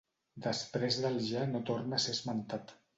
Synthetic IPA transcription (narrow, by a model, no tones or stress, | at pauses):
d̪əspɾezðəlˠʒanot̪ornəsezmənt̪at̪